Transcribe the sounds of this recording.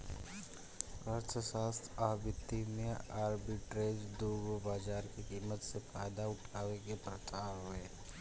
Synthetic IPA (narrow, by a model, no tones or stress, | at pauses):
əɾt̪ʰəʃaːst̪ʰaːbɪt̪ːimẽaːɾbiʈɾeːd͡ʒd̪oːɡobaːd͡ʒaːɾkikiːmːət̪sefaːɪd̪aʊʈʰaːwekepɾət̪aːɦʊeː